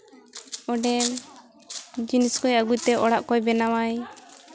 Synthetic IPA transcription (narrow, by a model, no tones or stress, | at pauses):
ɔɖɛm | d͡ʒiniskɔjaɡujt̪ɛʔɔɽaʔkɔjbɛnawaj